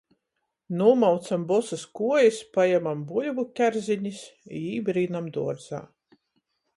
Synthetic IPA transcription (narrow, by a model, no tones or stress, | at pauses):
nuːmawt̪sambɔsɨskuɔjispajamambulʲvukʲæɾzʲiɲʲisiːbɾiːnamd̪uɔɾd̪z̥a̰ː